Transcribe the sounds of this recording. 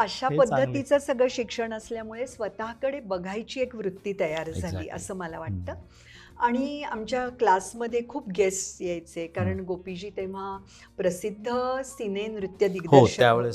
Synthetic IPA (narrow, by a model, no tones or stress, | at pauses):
əɕapəd̪ʱːət̪it͡səːsəɡɭəɕikʂəɳəsljamuɭesʋət̪aɦkəɽebəɡʱajt͡ɕiːekʋɾut̪ːiːt̪əjaɾd͡zʱalḭːʔə̰səːməlaʋaʈ̚t̪əː | aɽ̃iamt͡ɕjaklasməd̪ʱːjekʰuːp̚ɡesjejt͡sekaɾəɳɡopid͡ʑiːt̪eʋ̤a | pɾəsid̪ʱːəsinenɾut̪jəd̪iɡdɦoəɕjaʋeɭ